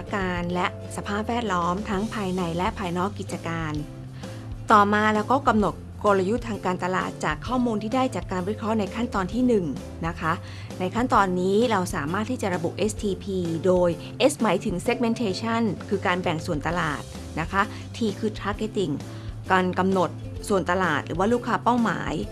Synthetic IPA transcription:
a˦kaː˧nlɛ˦˥ʔ | sa˧pʰaː˥˩p̚wɛː˥˩t̪̚lɔː˦˥mt̪ʰa˦˥ŋpʰaː˧jna˧jlɛ˦˥ʔpʰaː˧jnɔː˦˥kːi˨˩t̪̚t͡ɕa˧kaː˧n | t̪ɔː˨˩maː˧lɛː˦˥wkɔː˥˩ka˧mno˨˩t̪̚ko˧la˧ju˦˥t̪ʰaː˧ŋkaː˧nt̪a˧la̰ː˨˩t̪̚t͡ɕaː˨˩kʰːɔː˥˩muː˧nt̪ʰiː˥˩daː˥˩jt͡ɕaː˨˩kːaː˧nwiː˦˥kʰɾɔ˦˥na˧jkʰa˥˩nt̪ɔː˧nt̪ʰiː˥˩nɯ˨˩ŋ | na˦˥kʰa˦˥ʔ | na˧jkʰa˥˩nt̪ɔː˧nːiː˦˥ɾa˧wsaː˩˦maː˥˩t̪ʰːiː˥˩t͡ɕa˨˩ɾa˧bu˨˩ʔe˦˥st̪ʰiː˧pʰiː˧doː˧j | ʔe˦˥smaː˩˦jt̪ʰɯ˩˦ŋse˦˥k̚me˧nt̪ʰeː˧t͡ɕʰa˥˩nkʰɯː˧kaː˧nbɛ˨˩ŋsu˨˩ənt̪a˧la̰ː˨˩t̪̚ | na˦˥kʰa˦˥ | t̪ʰiː˧kʰɯː˧t̪ʰaː˦˥ke˦˧˥t̪i˨˩ŋ | ka˧nka˧mno˨˩t̪̚su˨˩ənt̪a˧laː˨˩t̪̚ɾɯː˩˦waː˥˩lu˥˩kʰːaː˧˥pa˥˩wma̰ː˩˦j

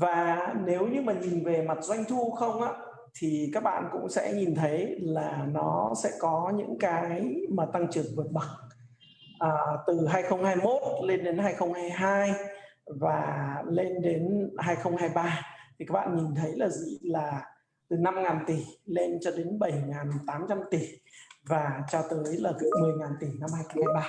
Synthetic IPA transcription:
vaː˨˩ne˨˦wɲɨ˧maː˨˩ɲi˨˩nve˨˩ma˨˩t̚za˧jŋ̟t̪ʰu˧xə˧wŋ͡mʔaː˧˥ | t̪ʰi˨˩kaː˦˥k̚ɓa̰ː˧˨nkʊ̰˧˥ŋ͡msɛ̰˧˥ɲi˨˩nt̪ʰə˨˦jlaː˨˩nɔ˨˦sɛ̰˧˥kɔ˨˦ɲɨ̰˧˥ŋkaː˨˦jmaː˨˩t̪a˧ŋt͡ɕɨ˨˩əŋvɨ˨˩ət̚ɓə˨˩k̚ | ʔəː˨˩t̪ɨ˨˩ɦaː˧jxə˧wŋ͡mhaː˧jmo˦˥t̚le˧nɗe˨˦nɦaː˧jxə˧wŋ͡mhaː˧jɦaː˧j | vaː˨˩le˧nɗe˨˦nhaː˧jxə˧wŋ͡mhaː˧jɓaː˧t̪ʰi˨kaː˦˥k̚ɓa̰ː˧˨ɲi˨˩nt̪ʰə˨˦jlaː˨˩zḭ˧˨laː˨˩ | t̪ɨ˨˩na˧mŋaː˨˩nt̪i˧˩le˧nt͡ɕɔ˧ɗe˨˦nɓə˧˩jŋaː˨˩nt̪aː˨˦mt͡ɕa˧mt̪i˧˩vaː˨˩t͡ɕɔ˧t̪əː˨˦jlaː˨˩t̪ɨ˨˧˩mɨ˨˩əjŋaː˨˩nt̪i˧˩na˧mhaː˧jxə˧wŋ͡mhaː˧jɓaː˧

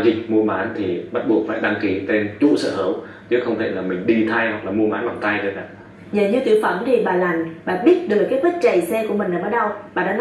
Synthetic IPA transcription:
zï˨˩k̟̚mu˧əmaː˨˦nt̪ʰi˨˩ɓa˦˥t̚ɓu˨˩ək̚fa̰ː˧˨jɗa˧ŋki˧˩t̪e˧nt͡ɕṵ˧˥sə̰ː˧˩həː˧˩w | t͡ɕɨ˨˦xə˧wŋ͡mt̪ʰe˧˩laː˨˩mï˨˩ŋ̟ɗi˧t̪ʰa˧jhwa˨˩k̚laː˨˩mu˧əmaː˨˦nla˨˩ŋ͡mt̪a˧jzə˧˩ɗa̰ː˧˩ | ɲəː˨˩ɲɨ˧t̪i˨˧˩əwfə˧˩mt̪ʰi˨˩ɓaː˨˩la˨˩ŋɓaː˨˩ɓi˦˥ət̚ɗɨ˨˩ək̚ːaː˨˦jpi˦˥t̚t͡ɕə˨˩jsɛ˧ku˧˩əmï˨˩ŋ̟lːaː˨˩ɓəː˧˦ɗə˧wɓaː˨˩ɗa̰ː˧˥n˧˦

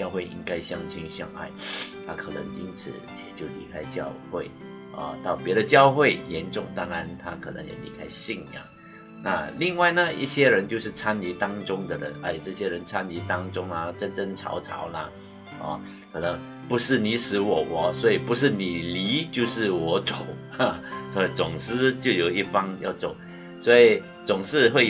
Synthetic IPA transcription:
t͡ɕjɑ˥˧ʊxwe˥˩ɪʔḭ˥ŋka˥ɪɕjɑ˥˧ŋt͡ɕʰi˥nɕjɑ̰˥˧ŋa̰˥˩ɪt̪ʰa˥kʰɤ˨˩nə̰˧˦˥ŋi˥nt͡sʰɹ̩˨˩˦jɛ̰˨˩t͡ɕjo˥˩ʊlḭ˧˥kʰa˥ɪt͡ɕjɑ˥˧ʊxwe˥˩ɪ | ɐ̰˧t̪ɑ˥˩ʊpjɛ˧˥ɾə˨t͡ɕjɑ˥˧ʊxwe˥˩ɪjɛ˧˥nʈ͡ʂʊ˥˩ŋt̪ɑ˥˩ŋɻa˧˥nt̪ʰa˦kʰɤ˨˩nə̰˧˥ŋjɛ̰˨˩li˧˥kʰa˥ɪɕi˥˩ŋa̰˨˩ | na̰˥˧li˥˧ŋwa˥˩ɪnə˧ḭ˥˩ɕjɛ˥ɻə˧˥nt͡ɕjo˥˧ʊʂɻ̩˥˩t͡sʰa˥nli˧˥t̪ɑ˥ŋʈ͡ʂʊ˥ŋd̪ə˨ɻə̰˧˦na˧˥˩ʈ͡ʂɤ˥˩ɕjɛ˥ɻə˧˦nt͡sʰa˥nli˧˥t̪ɑ˥ŋʈ͡ʂʊ˥ŋɐ˨ʈ͡ʂə˥˧nʈ͡ʂə˥˧ŋt͡sʰɑ̰˧˥ʊt͡sʰɑ̰˧˥ʊlɐ˧ | ɔ̰˧ | kʰɤ˨˩nɤ˧˥ŋ | pu˧˥ʂɻ̩˥˩ni˧˥ʂɻ̩˧˥wɔ˨˩wɔ˨˧˦swɔ˧˥i˨˩pu˧˥ʂ̬ɻ̩˥˩ni˨˩li˧˥t͡ɕjo˥˧ʊʂɻ̩˥˩wɔ˧˥t͡so˨˩˦ʊa˧swɔ˧˥i˨˩t͡sʊ˨˩ŋsɹ̩˥t͡ɕjo˥˩ʊjo˨˩ʊi˥˩fɑ˥ŋjɑ̰˥˩ʊt͡so˨˩˦ʊ | swɔ˧˥i˨˩ | t͡sʊ˨˩ŋʂɻ̩˥˧xwe˥˧ɪ

